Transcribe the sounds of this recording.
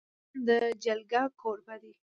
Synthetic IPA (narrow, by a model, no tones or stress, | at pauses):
d̪əd͡ʒalɡakʰoɾbad̪i